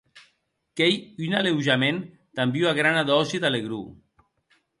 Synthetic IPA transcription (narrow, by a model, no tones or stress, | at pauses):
kejynalewʒamen | t̪ambiuaɣɾanaðɔsit̪aleɣɾu